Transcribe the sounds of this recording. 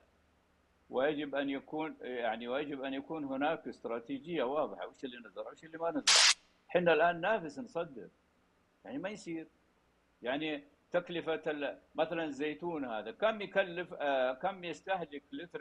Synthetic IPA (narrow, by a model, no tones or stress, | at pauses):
wɪjad͡ʒɪbʔanjakuːnjaʕniwjad͡ʒɪbʔanjakuːnɦɪnaːkɪst̪ɾˤɑːt̪id͡ʒɪjːawɑːðˤɨħawɪːʃɪlːinɨzˤɑɾˤwɪːʃɪlːimanɨzˤɣɑ̰ɾˤ | ħɪnːalʔaːnːaːfɪsnsˤɑd̪ːɪ̰ɾ | jaʕnimajsˤiːɾ | jaʕni | t̪aklɪfamaθalanɪzːeːt̪uːnhaːðakamjkalːɪfkamːjɪst̪aħlɪklɪt̪ɾ